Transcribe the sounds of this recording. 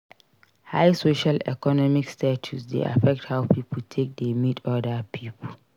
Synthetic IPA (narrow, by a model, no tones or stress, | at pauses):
hajsoʃalɛ̰kɔnɔmikstʰatʰusdḛʔa̰fɛk̚thawpʰipʰəltʰek̚demitʰɔdapʰiːpʰul